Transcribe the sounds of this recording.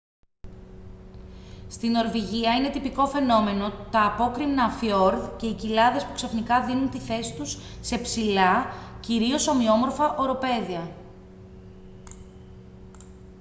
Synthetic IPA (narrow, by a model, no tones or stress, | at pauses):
st̪ino̞ɾviʝiɐine̞t̪ipiko̞fe̞no̞me̞no̞t̪ɐːpo̞kɾimnɐfio̞ɾðce̞icilɐðe̞spuksɐfnikɐðinunt̪iθe̞si̥t̪usːe̞psilɐciɾio̞so̞mio̞mo̞ɾfɐʔo̞ɾo̞pe̞ðiɐ